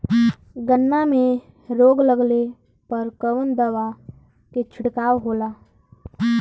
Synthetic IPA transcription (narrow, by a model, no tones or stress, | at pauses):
ɡənːamẽ | ɾoːɡləɡle | pəɾkəʋənd̪əʋa | ket͡ʃʰɪɽkaːwɦoːlaː